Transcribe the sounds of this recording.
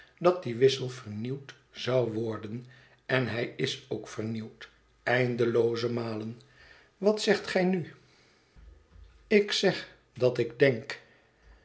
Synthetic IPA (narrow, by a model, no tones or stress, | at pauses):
dɑt̚diʋɪsəlˠvəɹniwt | z̥ɑwʋɔɹdən | ɛnɦɛjɪsowkfəɹniwt | ɛjndəlowzəmaːlən | ʋɑtsɛχtχɛjny | ɪksɛχ | dɑtɪɡdɛŋk